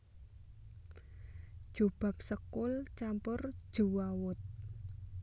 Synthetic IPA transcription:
d̥ʒ̥ub̥ä̤p̚səkʊlt͡ʃampʊrd̥ʒ̥ṳwawʊt̪̚

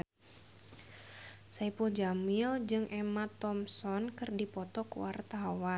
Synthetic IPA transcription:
saipuld͡ʒamild͡ʒɨŋʔɛmat̪ɔmsɔnkɨrdipɔt̪ɔkuwart̪awa

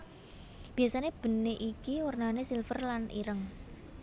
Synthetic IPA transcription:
b̥i̤jasaneb̥ə̤neʔikiwərnanesilfərlanʔḭɾəŋ

